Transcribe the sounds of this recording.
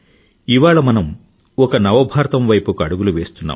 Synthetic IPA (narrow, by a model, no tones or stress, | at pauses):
iʋaːɭɐmɐnɐm | ɔkɐnɐʋɐbʱaːɾt̪ɐmʋɐjpukɐɽuɡuluʋe̞ːst̪unːa̰ːm